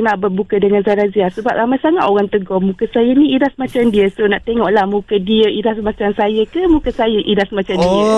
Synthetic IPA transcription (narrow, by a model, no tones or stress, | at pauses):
naʔbəbukədəŋanzaɾaziasəbap̚ɾamajsaŋaʔ̪oɣaŋt̪əɡɔmũkəsajənĩidasmãt͡ʃamdiəsonaʔt̪eŋɔʔlahmũkədiəidasmãt͡ʃamsajəkəmũkəsajəʔidasmãt͡ʃamdiə